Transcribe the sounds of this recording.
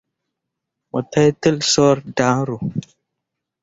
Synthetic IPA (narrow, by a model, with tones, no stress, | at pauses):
mo˨ta˦jtə˦lsɔ˦ɾda˨˦ŋɾu˨